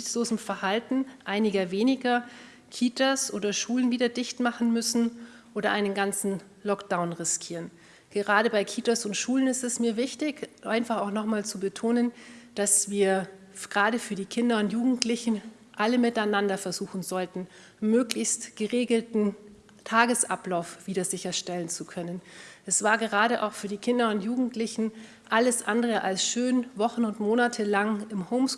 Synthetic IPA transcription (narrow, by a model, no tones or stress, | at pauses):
sloːzm̩fɛɐhaltn̩ʔaɪnɪɡɐveːnɪɡɐ | kʰiːtasʔoːdɐʃuːlənviːdɐdɪçtmaχn̩mʏsn̩ | ʔoːɾɐʔaɪnənɡant͡sn̩ | lɔkd̥aʊnʁɪskʰiːʁən | ɡ̥əʁaːɾəbaɪkʰiːtasʊntʃuːlənɪstɛsmiːɐvɪçtɪçʔa̰ɪnfaχaʊxnɔχmaːlt͡subətʰoːnənd̥asv̥iːɐ | ɡ̥əʁaːɾəfyːɐdiːkʰɪndɐʊntjuːɡŋ̩tʰlɪçn̩ | ʔaləmɪtaɪnandɐfɛɐzuːxn̩zɔltn̩ | møːklɪçstɡ̥əʁeːɡl̩tn̩ | tʰaːɡəsʔa̰plaʊfv̥iːdɐzɪçɐʃtɛlənt͡sukʰœnənʔɛsv̥aːɐɡəʁ̞aːɾəʔa̰ʊxfyːɐdiːkʰɪndɐʊntjuːɡŋ̩tlɪçn̩ | ʔaləsʔandəʁəʔalsʃøːnvɔχn̩ʊntmoːnatʰəlaŋɪmhɔʊms